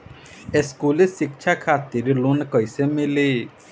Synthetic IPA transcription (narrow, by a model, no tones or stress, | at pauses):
eskulesik̚t͡ʃʰakʰat̪iɾlunkɔjsemile